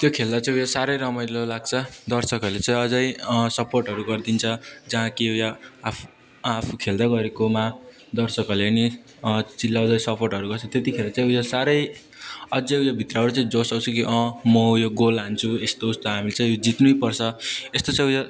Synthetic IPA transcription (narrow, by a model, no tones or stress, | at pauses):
t̪jokʰeld̪at͡saĩujasaɾʌjɾʌmʌjlolaɡ̚t͡sʰʌd̪ʌrsʌkʌlet͡sãĩʌd͡zʌjsʌporʈɦʌɾuɡʌrd̪int͡sʰʌd͡zʌɦãkijaa | apʰukʰeld̪aɡʌɾekoma | d̪ʌrsʌkʌleʌni | t͡silːawd͡zʌjsʌporʈɦʌɾuɡʌrt͡sʰʌt̪et̪ikʰeɾat͡saj̃ujasaɾʌj | ʌd͡zʌujabʱit̪rʌɦʌɾut͡saĩd͡zosʌwt͡sʰukiʔʌ̃mʌjoɡolɦant͡sʰuest̪oust̪oɦamilet͡sãĩod͡zit̪nujpʌrt͡sʰʌest̪ot͡sãj̃uja